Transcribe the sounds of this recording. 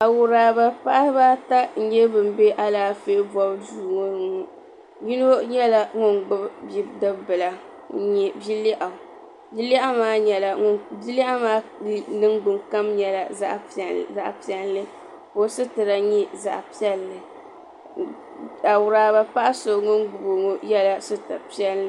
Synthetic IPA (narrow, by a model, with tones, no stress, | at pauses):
a˨wʊ˨ɾaː˨ba˦pa˦ʔa˦baː˦ta˦n̩˨˦ɲɛ˦bɨ˨m̩˦be˦ʔa˦laː˨˦fe˦ʔbɔ˦bduː˦˨ŋo˦˨ŋo˨ | ji˦no˦ɲɛ˦la˦ŋo˨nɡ͡bɨ˦bdɨ˦bbɨ˨la˨˦ | ɲɛ˨bi˦li˦ʔa˨ | bi˦li˦ʔa˦maː˦ɲɛ˨la˨ŋo˦bi˦li˦ʔa˦maː˦nɨ˦ŋɡ͡bʊ˨ŋka˦mɲɛ˨la˨a˦ʔza˨ʔpi˦ɛ˦lːɨ˦ | ko˨sɨ˦tɨ˨ɾa˨ɲɛ˦za̰˨ʔpi˦ɛ˦lːɨ˨ | a˨wʊ˨ɾaː˦ba˦pa˦ʔa˦so˨ŋʊ˦nɡ͡bʊ˨bo˨ŋo˦jɛ˦la˦sɨ˦ta˨pi˦ɛ˦lːɨ˦